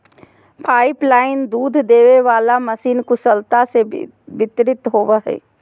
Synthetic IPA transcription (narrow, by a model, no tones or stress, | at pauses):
pʰaːɪplaːɪnd̪uːd̪ʱd̪eːʋeʋaːlaməsiːnkʊsəlt̪ase | bɪt̪ɾɪt̪ɦoːʋəɦḛː